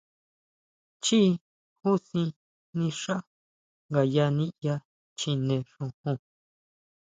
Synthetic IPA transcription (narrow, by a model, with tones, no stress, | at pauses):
t͡ʃi˦ | hu˦sĩ˧ | nĩ˧ʂa˦ | ŋɡa˧˨ja˧nĩ˦ja˦ | t͡ʃĩ˧nẽ˧˨ʂũ˧hũ˧˨